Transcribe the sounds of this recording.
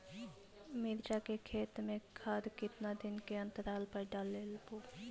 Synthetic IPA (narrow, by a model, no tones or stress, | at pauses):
mɪɾd͡ʒakekʰeːt̪mẽkʰaːd̪kɪt̪nad̪ɪnkeə̃nt̪əɾaːlpəɾɖalːeːlpoː